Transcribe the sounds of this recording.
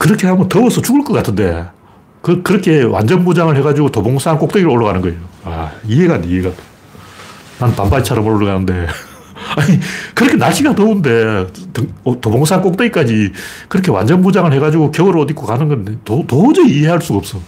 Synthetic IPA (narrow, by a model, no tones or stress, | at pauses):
kɯɾʌkʰe̞ɦamʌntʌwʌsʰʌt͡ɕuɡɯɭk͈ʌk͈atʰɯnde̞ | kɯkɯɾʌkʰe̞wʔa̰nd͡ʑʌnmud͡ʑaŋɯɭheɡad͡ʑiɡotoboŋsʰaːnk͈ok̚t͈eɡiɾɯɭoɭːʌɣanɯnɡʌejoaiɦe̞ɡandeiɦeɡato | nanpambait͡ɕʰaɾʌmɯɭoɭːʌɣanɯnde̞ | aɲikɯɾʌkʰe̞naɭɕ͈iɡatʌunde̞ttoboŋs̬ʰaank͈ok̚t͈eɡik͈ad͡ʑikɯɾʌkʰewa̰nd͡ʑʌnmud͡ʑaŋɯɭhe̞ɣad͡ʑiɡokjʌoɾɯʌdikʰokanɯnɡʌnetotod͡ʑʌiɦe̞ɦhaɭs͈uɡaʌp̚s͈ʌ